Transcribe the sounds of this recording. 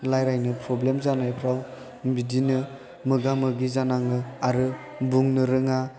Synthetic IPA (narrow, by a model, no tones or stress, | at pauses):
lajɾajnɯpʰɾɔblemzanajpʰɾaw | bidinɯ | mɯɡamɯɡizanaŋɯaɾɯ | buŋnɯɾɯŋa